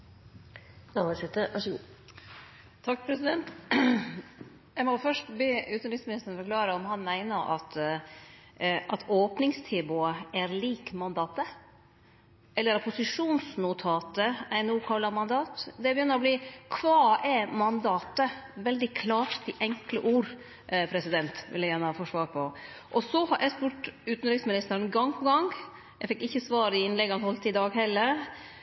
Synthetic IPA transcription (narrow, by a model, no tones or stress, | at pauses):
ɑsɛt̪əʋʔɑʂəɡu | t̪ʰɑk̚ːpʰɾɛsɪd̪ɛnt̪ | jæɪmɔfœʂʈbeʉːt̪n̩ɾɪsmɪnɪst̪ənfɔɾkʰlɑːɾəɔmhɑnmæɪnəʔɑ̰t̪ | ʔɑt̪ʰoːpnɪŋst̪ʰɛːbʊəæɾliːkmɑnd̪ɑːt̪ə | ɛlːəɾɑpʊsɪʂuːnsnʊt̪ʰɑːt̪əæɪnuːkʰɑlːɑɾmɑnd̪ɑːt̪d̪ɛbəjʏnːəɾɔbliːkʰʋɑːæɾmɑnd̪ɑːt̪əʋɛld̪ɪkʰlɑːʈt̪ɪʔɛŋklə̰ʔuːɾ | pʰɾɛsɪd̪ɛnt̪ʋɪlːæjæːnəhɑfɔʂʋɑːɾpʰɔ | ʔɔsɔhɑɾʔɛ̰spʉːʈʉːt̪n̩lɛɡsmɪnɪst̪əɾnɡɑŋːpʰɔɡɑŋ | ɛfɛkːɪçːəsʋɑːɾɪɪnlɛɡːɑnhɔlt̪ɪd̪ɑːɡɦɛlːəɾ